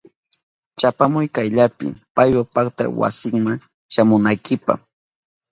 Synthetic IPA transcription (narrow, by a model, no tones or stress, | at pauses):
t͡ʃapamʊjkajʎapɪ̰pajwapakt̪a̰wa̰sɪŋmaŋ | ʃamʊnajkɪpa̰χ